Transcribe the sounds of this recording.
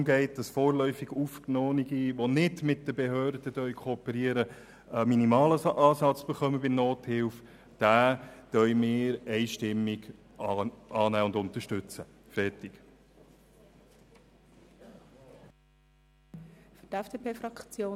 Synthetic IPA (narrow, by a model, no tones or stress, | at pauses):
mɡɛɪt̚d̥ɑsfɔːɾlœʏfɪɡufknoːniɡiʋonɪdmɪt̚d̥əbeɦøːɾd̥ədœʏkʰoːpəɾiəɾə | əminimɑːləʔɑːsɑt͡sb̥ɛχœməbɪnnoːthɪlf | d̥æːtœɥmɪːɾɛɪʃtɪmːiɡ | ʔɑːnæːʊndʊnt̪əʃtɵt͡sə | fɛɾtɪk | fʏdɛfd̥epʰeːfɾɑkt͡sjoː